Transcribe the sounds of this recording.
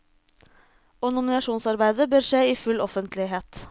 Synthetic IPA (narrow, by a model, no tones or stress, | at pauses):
oːnʊmɪnɑʃuːnsɑɾbæɪd̪əbøːɾʂeːiːfʉlɔfənt̪lɪɦeːt̪